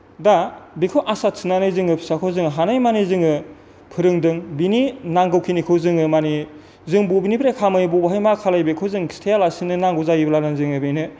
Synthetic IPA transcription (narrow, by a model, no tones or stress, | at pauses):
dabikʰɯwʔasat̚sʰɯnanɯjzɯŋɯpʰi̥sakʰɯwzɯŋɯɦanajmanizɯŋɯ | pʰɯɾɯŋdɯŋbininaŋɡɯwkʰinikʰɯwzɯŋɯmani | zɯŋbubinipʰɾekʰamɯjbubaɦajmakʰalajbekʰɯwzɯŋstʰejalasinɯnaŋɡɯzajiblananzɯŋɯbenɯ